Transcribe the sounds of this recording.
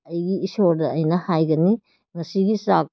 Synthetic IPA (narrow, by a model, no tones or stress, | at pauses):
ɐjɡiːsoɾdɐɐjnɐhajɡɐni | ŋɐsiɡisak